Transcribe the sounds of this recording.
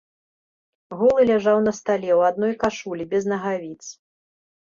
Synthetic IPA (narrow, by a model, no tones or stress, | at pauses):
ɣulˠɨlʲaʐawnɐst̪alʲɛwad̪nɔjkaʂulʲibʲɛznɐɣavʲit̪s